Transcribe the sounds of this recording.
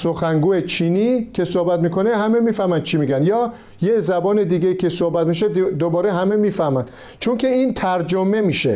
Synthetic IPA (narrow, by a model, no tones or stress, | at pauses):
soxæŋɡuːet͡ʃʰiːnikʰe̞sohbæt̪miːkʰo̞nehæme̞miːfæhmænd̥̪t͡ʃʰimiːɡænjɒː | jezæbɒːne̞d̪iːɡʲeikʰe̞sohbæt̪miʃed̪obɒːɾeɦæme̞miːfæhmænd̪ | t͡ʃʰonkʲʰe̞iːnt̪ʰæɾd͡ʒome̞miːʃḛ